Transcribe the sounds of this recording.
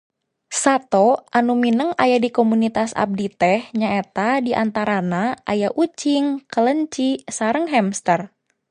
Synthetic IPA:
sat̪oʔanuminəŋajadikomunit̪asa̰p̚dit̪ɛhɲaet̪adiʔant̪aɾanaʔajaʔut͡ʃiŋkələɲt͡ʃisaɾəŋɦɛmst̪ər

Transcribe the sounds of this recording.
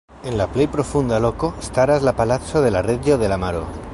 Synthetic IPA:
enlaplejpɾofund̪alokoest̪aɾazlapalat͡soðelareʝoðelamaɾo̰

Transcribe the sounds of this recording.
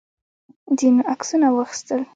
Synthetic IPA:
d̪inoʔaksunawəxi̥st̪əl

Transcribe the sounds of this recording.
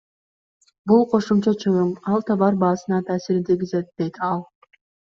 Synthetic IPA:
bulˠqʰo̞ʃumt͡ʃɑt͡ʃʰɯʁɯmɑlˠt̪ʰɑβɑɾbɑːsɯnɑt̪ʰaːsiɾd̪iɡʲizet̪̚d̪e̞jt̪ɑlˠ

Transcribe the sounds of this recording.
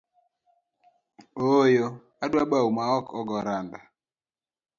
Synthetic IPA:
ojo | adwaɓaumaɔkʰɔɡɔɾanda

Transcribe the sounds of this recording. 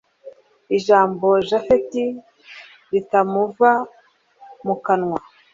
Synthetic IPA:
iʒaːmbo̞ʒafeti | ɾitamuva | mukanŋwa

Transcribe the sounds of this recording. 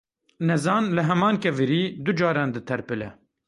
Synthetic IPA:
nɛzɑːnlɨɦɛmɑːnkɛvɨɾiːd̪ud͡ʒɑːɾɑːnd̪ɨt̪ʰɛɾpɨlɛ̰

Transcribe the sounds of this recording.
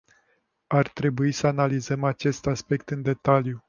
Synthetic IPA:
art̪ɾe̞buisəanalizəmat͡ʃe̞st̪aspe̞kt̪ɨnd̪e̞t̪alju

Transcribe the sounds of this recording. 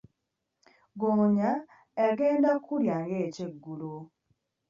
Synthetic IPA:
ɡoɲa | eɡeːndakʰːuɾjaŋɡeːceɡːulo

